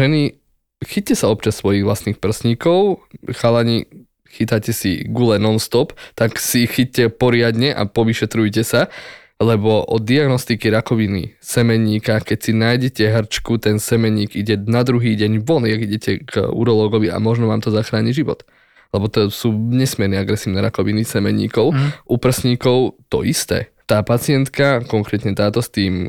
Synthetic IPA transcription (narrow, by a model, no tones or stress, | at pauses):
ʒɛni | xic̚cɛsaɔp̚t͡ʃasːʋɔjiɣʋlastniːxpr̩sɲikɔʊxalaɲi | xit̪acɛsḭɡulɛnɔnst̪ɔpt̪aksixic̚cɛpɔɾɪad̪ɲɛʔa̰pɔʋiʃɛt̪ɾujcɛsa | lɛbɔʔɔd̪d̪iaɡnɔst̪ikiɾakɔʋinḭsɛmɛɲiːkakɛcsinaːjɟɛcɛɦr̩t͡ʃkut̪ɛnsɛmɛɲiːɡiɟɛnad̪ɾuɦiːɟɛɲʋɔniaɡiɟɛcʰɛɡṵɾɔlɔːɡɔʋia̰mɔʒnɔʋaːmt̪ɔzaxɾaːɲiɟʒiʋɔ̰t̪ | lɛbɔt̪ɔsuːɲɛsmiɛɾnɛaɡɾɛsiːʊnɛːɾakɔʋinisɛmɛɲḭːkɔʊʔupɾ̩sɲiːkɔʊt̪ɔ̰ʔist̪ɛ̰ːt̪aːpat͡sɪɛnt̪kakɔŋkɾɛːt̪ɲɛt̪aːt̪ɔst̪iːm